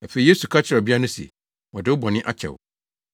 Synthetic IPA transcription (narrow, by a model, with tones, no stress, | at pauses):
a˨fe˨i˨je˦su˨kʰa˦t͡ɕʰɪ˨ɾɔ˨bi˦a˦nʊ̃˦si˨ɛ̰˨ | wɔ˨dɪ˦wʊ˦bɔ˨nɪ̃˦ʔa̰˦t͡ɕʰɛ̰˨w̰